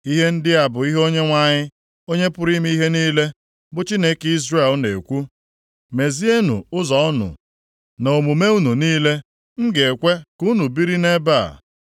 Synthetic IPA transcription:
i˦ɦe˦n̩˦dɪ˦a˨bʊ˨i˦ɦo˦ɲe˦ŋʷa˦ɲɪ˦ | o˦ɲe˦pʊ˦ɾi˦m˦i˦ɦe˦niː˦le˦ | bʊ˨t͡ʃi˦ne˦ki˦zre˦˨lne˨kʷu˦ | me˨zi˦e˦nṵ˨ʊ˦zɔ˦ʊ˦nʊ̰˨ | no˨mu˨me˦u˦nu˨niː˦le˦ | m̩˦ɡe˨kʷe˦ku˦nu˨bi˦ɾi˦ne˦ba̰˦˨

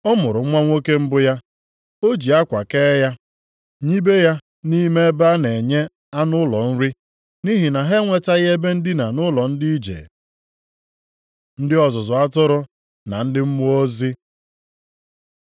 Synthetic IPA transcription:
ɔ˦mʊ˨ɾʊ˨˦ŋʷa˦ŋʷo˦ke˦m̩˦bʊ˦ja˦ | o˦d͡ʒi˨a˦kʷa˨keː˦ja˦ | ɲi˦be˦ja˦ | ni˦me˦e˦ba˦ne˨ɲe˦ | a˦nʊ˦lɔ˨n̩˦ɾi˦ | ni˦ɦi˨na˨ɦe˦ŋʷe˦ta˦ɣe˦be˦n̩˦dɪ˦na˨nʊ˦lɔ˨n̩˦di˦i˦d͡ʒḛ˨ | n̩˦dɪ˦ɔ˨zʊ˨zʊ˨a˦tʊ˦ɾʊ˦ | na˨n̩˦dɪ˦m̩˦mʊ˦o˦zi˦

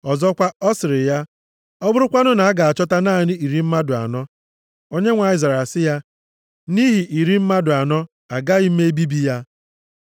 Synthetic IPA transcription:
ɔ˨zɔ˦kʷa˦ɔ˦sɪ˨ɾɪ˨ja˦ | ɔ˦bʊ˦ɾʊ˦kʷa˦nʊ˦na˨a˦ɡa˨a˨t͡ʃɔ˦ta˦naː˦˨nɪ˦i˨ɾi˦m̩˦ma˦dʊ˨a̰˨nɔ˦ | o˦ɲe˦ŋʷa˨i˦˨za˨ɾa˨sɪ˦ja˦ | ni˦ɦi˨ʔi˨ɾi˦m̩˦ma˦dʊ˨a˨nɔ˦ | a˨ɡa˦i˦e˦e˦bi˦bi˦ja˦

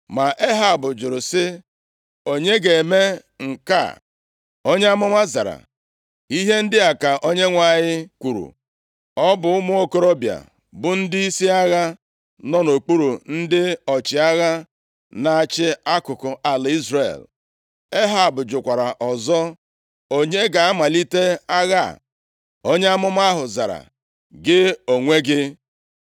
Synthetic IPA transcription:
ma˨ʔe˦ɦa˨bʊ˨d͡ʒʊ˨ɾʊ˨sɪ˦ | o˦ɲe˦ɡe˨me˦ŋ̩˨ka̰˦˨ | o˦ɲe˦a˦mʊ˦ŋʷa˦za̰˨ɾa̰˨ | i˦ɦe˦n̩˦dɪ˦a˨ka˨ʔo˦ɲe˦ŋʷa˦˨ɲɪ˦kʷu˨ɾṵ˨ | ɔ˦bʊ˨ʊ˦mʊ˦o˦ko˦ɾo˦bja̰˨ | bʊ˨n̩˦dɪ˦i˦si˦a˦ɣa˦ | nɔ˦no˨k͡pu˦ɾu˨n̩˦dɪ˦ɔ˨t͡ʃɪ˨a˦ɣa˦ | na˨a˨t͡ʃɪ˦a˦kʊ˨kʊ˨ʔa˨la˨i˦zre˦˨l | e˦ɦa˨bʊ˨d͡ʒʊ˨kʷa˨ɾa˨ʔɔ˨zɔ˦ | o˦ɲe˦ɡa˨a˦ma˨li˦te˦a˦ɣa̰˦˨ | o˦ɲe˦a˦mʊ˦m˦a˦ɦʊ˨za˨ɾa̰˨ | ɡɪ˦o˨ŋʷe˦ɡɪ˦

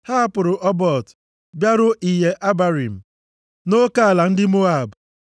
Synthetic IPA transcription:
ha˦a˦pʊ˨ɾʊ˨ʔɔ˦bɔ˨t | bja˦ɾʊ˦ʔi˨je˨ʔa˦ba˨ɾi˨m̩˨ | no˦ka˦a˨la˨n̩˦dɪ˦mo˦a˦˨bʊ˨

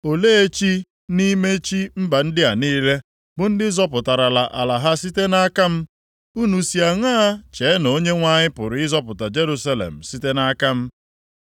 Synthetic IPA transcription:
o˨le˦e˦t͡ʃi˦ | ni˦me˦t͡ʃi˦m̩˦ba˨n̩˦dɪ˦a˨niː˦le˦ | bʊ˨n̩˦dɪ˦zɔ˦pʊ˨ta˨ɾa˨la˨ʔa̰˨la˨ɦa˦si˦te˦na˦ka˦m̩˦ | u˦nu˨si˨a˨ŋa˦a˦t͡ʃe˨˦no˦ɲe˦ŋʷa˦ɲɪ˦pʊ˨ɾʊ˨ɪ˦zɔ˦pʊ˨ta˨d͡ʒe˦ɾu˦sa˦lḛ˨m̩˨si˦te˦na˦ka˦m̩˦

